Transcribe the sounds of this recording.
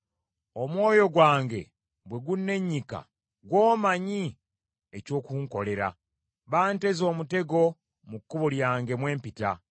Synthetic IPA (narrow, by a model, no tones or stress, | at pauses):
o̞mwo̞ːjo̞ɡwaːŋɡe̞̰ | bwe̞ɡunːe̞ɲːika̰ | ɡwoːmaɲi | eco̞ːkuŋko̞le̞ɾa̰ | βaːnte̞zo̞ːmute̞ɡo̞ | mukːuβuljaːŋɡe̞mwe̞ːmpita